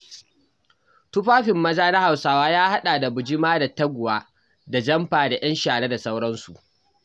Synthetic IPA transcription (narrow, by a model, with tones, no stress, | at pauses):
tʊ˦ɸaː˦ɸɪ˨mːɐ˦zaː˦na˦ha˨wsaː˦waː˦jaː˦ha˦ɗaː˨da˨bʊ˨d͡ʒi˦maː˦da˨tːɐ˦ɡʷʊ˨waː˦ | da˨d͡ʒɐ˦mɸaː˨da˨j̰ɐ˦nʃaː˨ɽe˦da˨sa˦wɽɐ˦nsu˨ʔ